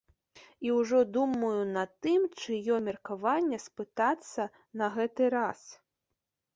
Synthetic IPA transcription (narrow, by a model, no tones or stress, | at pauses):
iwʐɔd̪umɐjunɐt̪ɨmt͡ʂɨjɔmʲɛrkavanʲːɐspɨt̪at̪sːɐ | nɐɣɛt̪ɨɾas